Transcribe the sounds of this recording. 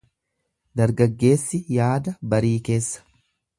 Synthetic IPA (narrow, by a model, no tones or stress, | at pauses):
d̪ɐɾɡɐɡːe̞ːsːɪjaːd̪ɐbɐɾiːke̞ːsːɐ̥